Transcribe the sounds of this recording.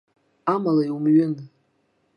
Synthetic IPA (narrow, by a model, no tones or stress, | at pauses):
amalaiumɥɪn